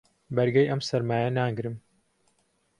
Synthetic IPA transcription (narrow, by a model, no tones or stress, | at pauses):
bɐɾɡɐjʔɐmsɐɾmaːjɐnaːŋɡɾɨm